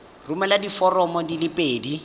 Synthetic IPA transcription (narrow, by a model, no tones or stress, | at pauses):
rumɛladifɔrɔmɔdilɪpʼeːdi